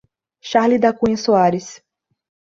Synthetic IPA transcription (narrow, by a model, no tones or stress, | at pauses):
ʃaɾlid̪akũɐ̃soaɾɪs